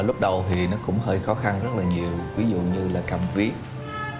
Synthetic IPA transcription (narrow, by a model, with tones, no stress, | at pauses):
lʊ˦˥k͡p̚ɗə˨˩wt̪ʰi˨˩nɔ˨˦kʊ̰˧˥ŋ͡mhəː˧˩jxɔ˨˦xa˧nzə˦˥t̚laː˨˩ɲi˨˩əwvi˨˦zṵ˧˨ɲɨ˧laː˨˩kaː˨˩mvi˦˥ət̚